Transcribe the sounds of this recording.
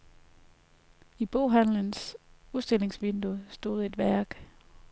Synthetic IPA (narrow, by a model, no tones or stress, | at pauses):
ib̥o̝ʊɦæn̰lənsuðˠsd̥e̝l̰e̝ŋsʋend̥usd̥o̝̰ːð̞̩ˠe̝d̥ʋæɐ̰ɡ̥